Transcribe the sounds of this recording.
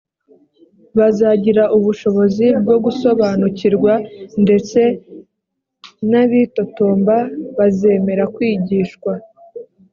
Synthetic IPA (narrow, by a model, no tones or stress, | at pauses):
βazaɟiɾaʔuβuʃo̞βo̞zib̚ɡo̞ɡuso̞βanuciɾɡwande̞t͡se̞ | naβito̞toːmbaβaze̞me̞ɾakwiːɟiːʃkwa